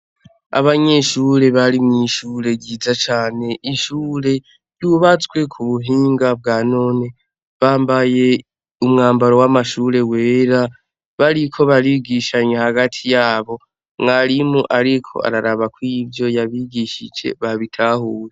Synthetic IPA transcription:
a̰βaɲe̞ʃuːɾe̞βaɾimŋiʃuːɾe̞ɟiːzat͡ʃaːne̞ʔiʃuːɾe̞ | juβat͡sɡwe̞kʰuβuɦiːŋɡab̚ɡaːno̞ːne̞ | βaːmbaje̞ | umŋaːmbaɾo̞wamaʃuːɾe̞we̞ːɾa | βaɾikʰo̞βaɾiɡiʃaɲehaɡatʰijaːβo̞ | ŋaɾimuʔaɾikʰo̞̰a̰ɾaɾaβakwiːvjo̞jaβiɡiʃid͡ʒe̞̰βaβitʰaːhuːɾe

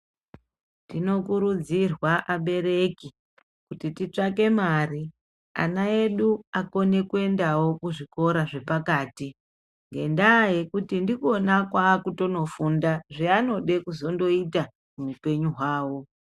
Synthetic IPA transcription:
dino̞kuɾud͡zirwaʔaɓe̞ɾe̞ki | kutitit͡ʂake̞mari | a̰nae̞ɗuako̞ne̞kue̞ndawo̞kuʐiko̞ɾaʐe̞pakaːti | ŋɡe̞ndaje̞kutindiko̞nakwakuto̞no̞fundaʐiano̞ɗe̞kuzo̞ndo̞ita | mumupe̞ɲuɦwaːwo̞

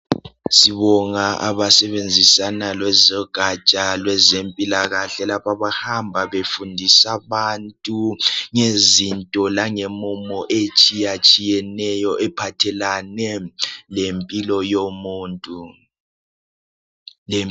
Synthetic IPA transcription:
siβɔŋaʔa̰βasɛβend͡zʱisanalwɛzɔɡ̥ʱat͡ʃʼalwɛzempʼilaɣaɬɛlapaβahambʱaβefundʱisaβantʼuŋezintʼɔlaŋemumɔʔet͡ʃʼijat͡ʃʼijɛnɛjɔʔɛpʰatʰɛlanɛlempʼilɔjomuːntʼu | l

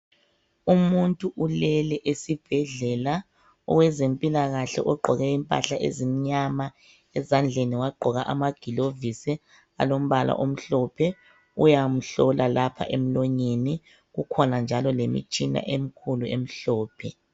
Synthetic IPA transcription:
umuntʼuʔulɛlɛʔesib̥ʱɛɮɛla | ɔ̰ɣwɛzempʼilaɣaɬɛ̰ʔɔɡ͡ǃʱɔɣɛimpʼa̰ɬaʔḛzimiɲama | ɛzand͡ɮʱeniwaɡ͡ǃʱɔɣaʔamaɡ̥ʱilovisɛ | a̰lom̩βala̰ʔom̩ɬɔpʰɛ | ujam̩ɬɔlʔalapʰa̰ʔem̩lɔɲeni | ɣukʰɔnand͡ʒʱalɔlemḭt͡ʃʼina̰ʔem̩kʰuluem̩ɬɔːpʰɛ

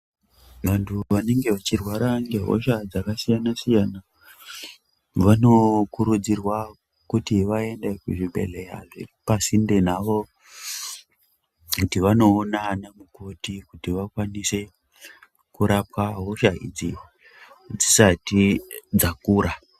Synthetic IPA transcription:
ʋantʰuʋane̞ŋɡe̞ʋat͡ʃirwaɾaŋɡe̞ɦo̞̰ʃad͡zakasijanasijana | ʋano̞kuɾud͡zirwa | kutiʋae̞ndekuʐibʱe̞̰leja̰ʐḛpasinde̞naʋo̞ | kutiʋano̞ːnanamukotikutiʋakwanise̞ | kuɾapwaɦo̞ʃaḭd͡zi | d͡zisatid͡zakuːɾa

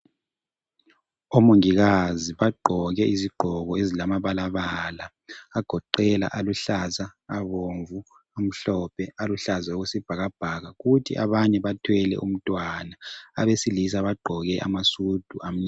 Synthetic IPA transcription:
omoŋiɣaziβaɡ͡ǃʱɔɣɛiziɡ͡ǃʱɔɣɔezilamaβalaβaːlaː | ɡ̥ʱɔǃɛla̰ʔaluɬazaːβoɱvu | am̩ɬɔpʰɛaluɬazaoɣusib̥ʱaɣab̥ʱaɣaɣutʰḭʔa̰βaɲɛβatʰwɛlɛ̰ʔum̩tʼwanaa̰βesilis̬aβaɡ͡ǃʱɔɣɛʔa̰masud̥ʱuʔam̩ɲa

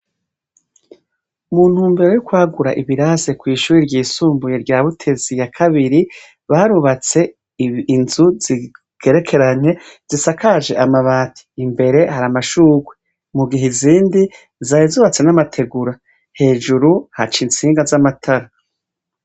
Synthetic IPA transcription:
muːn̥huːmbeɾejukwaːɡuɾaʔiβiɾazekwiːʃuːɾiɾɟiːsuːmbuje̞ɾɟaːβutʰe̞zijakʰaβiɾi | βaːɾuβat͡se̞ | inzuz̥i | kʰe̞ɾe̞kʰe̞ɾaɲe̞z̥isakʰaːʒe̞̰ʔamaβaːtʰi̥ːmbe̞ɾe̞haɾamaʃuːɡwe | muɡiɦeziːndi | zaːjezuːβat͡se̞namatʰe̞ɡuɾa | he̞ːʒuɾuhat͡ʃiːnt͡siːŋɡazamatʰaɾa

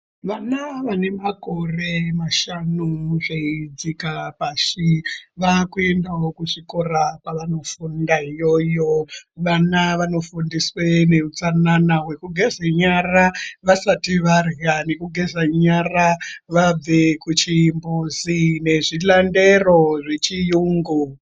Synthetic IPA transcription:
ʋanaʋane̞mako̞re̞maʃanuʐeid͡zikapaʃiʋakuendaokuʐiko̞rapaʋano̞fundaijo̞joʋanaʋano̞fundiswene̞ut͡sananawe̞kuɡʱe̞zaɲaraʋasatiʋarjane̞kuɡʱezaɲaraʋab͡ve̞kut͡ʃimbuzine̞ʐilande̞ro̞ʐe̞t͡ʃijuːŋɡu

